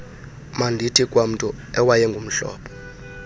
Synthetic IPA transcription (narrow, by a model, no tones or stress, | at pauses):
mandʱitʰikʼwam̩tʼɔ | ɛwajɛŋɡʱum̩ɬɔ̰ːpʰɔ̥